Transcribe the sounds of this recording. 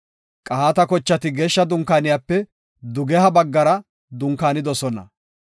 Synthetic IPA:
kʼɐhaːt̪ɐkɔt͡ʃːɐt̪ɪɡe̞ːʃːɐd̪ʊŋkaːnɪjaːpːɛ | d̪ʊɡɛhɐbɐɡːɐɾɐ | d̪ʊŋkaːnɪd̪ɔsɔnɐ̰

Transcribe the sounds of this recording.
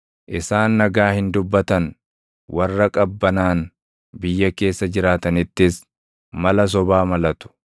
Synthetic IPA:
ʔɪsaːnːɐɡaːhɪnd̪ʊbːɐt̪ɐn | wɐrːɐkʼɐbːɐnaːn | bɪjːɐke̞ːsːɐd͡ʒɪɾaːt̪ɐnɪt̪ːɪs | mɐlɐs̬ɔbaːmɐlɐt̪ʊ̥

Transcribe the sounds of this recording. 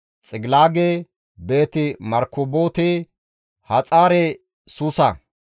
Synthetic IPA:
t͡sʼɪɡlaːɡeː | be̞ːt̪ɪmɐɾkːʊboːt̪e | hɐt͡sʼaːɾɛ | sʊsɐ

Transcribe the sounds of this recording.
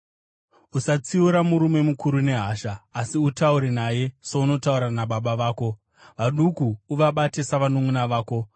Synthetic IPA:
usat͡siuɾamuɾume̞mukuɾune̞ɦaːʃaːsiutauɾe̞naje̞souno̞tauɾanaɓaɓaʋaːko̞ | ʋaɗukuːʋaɓate̞saʋanomunaʋaːko̞

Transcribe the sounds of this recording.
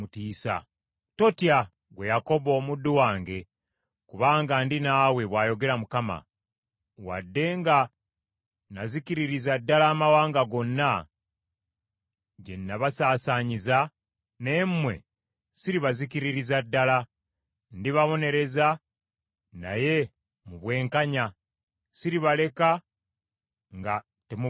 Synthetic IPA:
utiːsa̰ | to̞tija | ɡwe̞jako̞βo̞ːmudːuwaːŋɡe̞ | kuβaːŋɡandinaːwe̞βwaːjo̞ɡe̞ɾamukama̰ | wa̰dːe̞ŋɡa | nazikiɾiɾizadːalaːmawaːŋɡaɡo̞nːa | ɟḛnːaβasaːsaːɲiza | nemmwe̞̰ | siɾiβazikiɾiɾizadːala | ndiβaβo̞ne̞ɾe̞za | na̰je̞ | muβwe̞ːŋkaɲa | siɾiβale̞ka | ŋɡa | temu

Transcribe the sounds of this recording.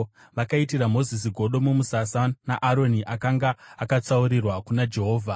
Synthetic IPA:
ʋakaitiramo̞zis̬iɡʱo̞ɗo̞mumusasanaʔaɾo̞niʔakaŋɡaːkat͡sauɾirwakunad͡ʒe̞ɦo̞ːvʱa

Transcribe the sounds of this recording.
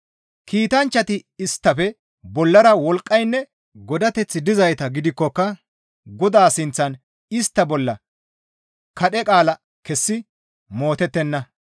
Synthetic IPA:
kiːt̪ɐnt͡ʃːɐt̪ɪɪst̪ːɐfɛ | bɔlːɐɾɐwɔlkʼːɐjnːɛ | ɡɔd̪ɐt̪ɛt͡sːɪd̪ɪzɐjt̪ɐɡɪd̪ɪkːɔkːɐ | ɡɔd̪aːsɪnt͡sːɐn | ɪst̪ːɐbɔlːɐ | kɐɗɛkʼaːlɐ | kɛsːɪ | mo̞ːt̪ɛt̪ːɛnːɐ

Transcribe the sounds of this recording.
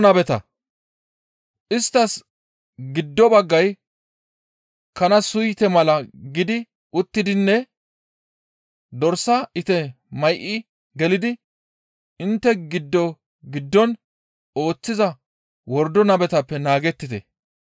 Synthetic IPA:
nɐbɛt̪ɐ̰ | ʔɪst̪ːɐs | ɡɪd̪ːɔbɐɡːɐj | kɐnɐsʊjt̪ɛmɐlɐɡɪd̪ɪ | ʔʊt̪ːɪd̪ɪnːɛ | d̪ɔɾsɐɪt̪ɛ | mɐjʔɪ | ɡɛlɪd̪ɪ | ɪnt̪ːɛɡɪd̪ːɔ | ɡɪd̪ːɔn | o̞ːt͡sːɪzɐ | wɔɾd̪ɔnɐbɛt̪ɐpːɛnaːɡɛt̪ːɪt̪ɛ̰

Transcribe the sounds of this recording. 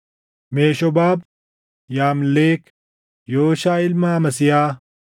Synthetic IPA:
meːʃɔbaːb | jaːmleːk | joːʃaːɪlmaːmɐsɪjaː

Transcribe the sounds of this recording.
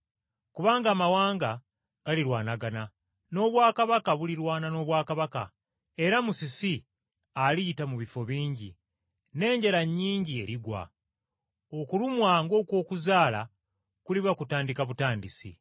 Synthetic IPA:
kuβaːŋɡaːmawaːŋɡa | ɡ̥aliɾwaːnaɡana | no̞βwaːkaβakaβuliɾwaːnano̞ːβwaːkaβaka̰ | e̞ɾamusisi | alitamuβifo̞βiːɲɟḭ | ne̞ːɲɟeɾaɲːiːɲɟie̞ɾiɡwa̰ | o̞kulumwaːŋɡo̞ːkwo̞ːkuzaːla̰ | kuliβakutaːndikaβutaːndisḭ

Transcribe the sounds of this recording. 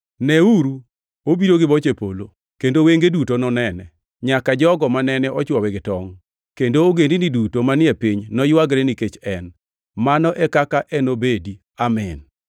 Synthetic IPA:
nɛuɾu | obiɾoɡɪbɔt͡ʃepo̰lo | kendoweŋɡedutonɔnɛnɛ̰ | ɲakad͡ʒɔɡɔmanɛnɛʔɔt͡ʃwɔwɛɡɪtɔŋ | kendoːɡendinidutomanɪɛpiɲnɔjwaɡɾeniket͡ʃɛn | manɔʔɛkakaʔɛnobedi | amɛn

